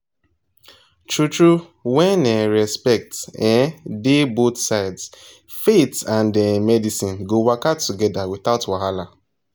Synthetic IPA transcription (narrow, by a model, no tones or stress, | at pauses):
tʰɹutɹu | wɛ̃nɛ̃ɹɛspɛk̚tɛ̃debotsaɪds | fetãndɛmɛdisĩnɡowakatːuɡɛdawiθatwahala